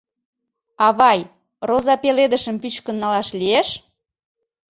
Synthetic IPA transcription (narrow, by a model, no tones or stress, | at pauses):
ɑβɑj | rozɑpeled̪əʃəmpyt͡ɕkə̆nːɑlɑʃlieʃ